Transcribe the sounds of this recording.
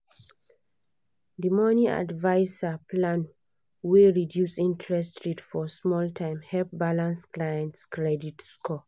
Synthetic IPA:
dimɔnia̰dvaɪsaplãn | weɹidjusĩntʰɹɛstɹitfɔsmɔltʰãɪ̃mhɛlp̚balãnsklajɛ̃ntskɹɛditskʰɔ

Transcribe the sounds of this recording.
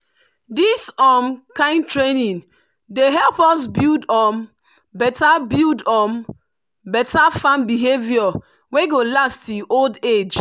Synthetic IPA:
disɔmkãɪ̃ntɹenĩn | deɦɛlpɔs̬bildɔm | bɛtabildɔm | bɛtafãmbiɦevjɔ | weɡolastiʔolded͡ʒ

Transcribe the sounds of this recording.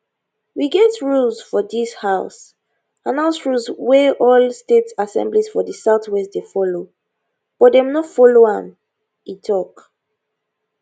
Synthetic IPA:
wiɡɛtɹulzfɔdishaʊs | ãnãʊsɹulzwɛʔɔlstetsasɛ̰̃mbliz̥fɔdəsaʊtwɛsdefɔlo | b̥ɔdɛ̃mnɔtfɔloãm | itʰɔk

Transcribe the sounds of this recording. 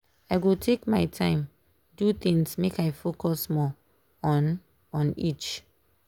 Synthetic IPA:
aɪɡutʰekmaɪtʰãɪ̃m | dut̪ĩŋsmekaɪfokɔsmɔ | ɔ̃n | ɔ̃nḭt͡ʃ

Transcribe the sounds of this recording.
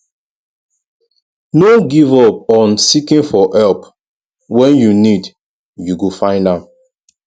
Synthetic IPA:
noɡivɔp̚ɔ̃nsikĩnfɔʔɛlp | wɛ̃njunid | juɡufãɪ̃ndãm

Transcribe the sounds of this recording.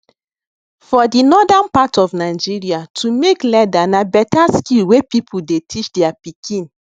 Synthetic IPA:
fɔdinɔdanpatɔfnaɪd͡ʒiɹiatʰumeklɛdanabɛtaskilwepipʰudetʰit͡ʃdɛapikʰĩn

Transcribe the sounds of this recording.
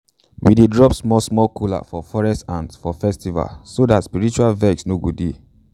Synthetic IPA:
wḭdedɹɔpsmɔsmɔkʰula̰fɔfɔɹɛstãnsfɔfɛstiva̰lsodatspiɹit͡ʃualvɛksnoɡudi

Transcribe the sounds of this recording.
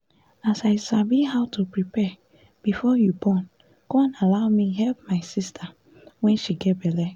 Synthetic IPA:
asaɪsabihaʊtʰupɹipɛ | b̥ifɔjubɔn | kɔ̃nalaʊmiɦɛlp̚maɪsistʰa | wɛ̃nʃiɡɛtbɛlɛ

